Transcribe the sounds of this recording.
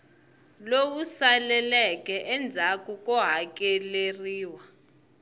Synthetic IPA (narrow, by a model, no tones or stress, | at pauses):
lowusalɛlɛkʼɛʔɛnd͡zʱakʼukʼɔɦakʼɛleriːwa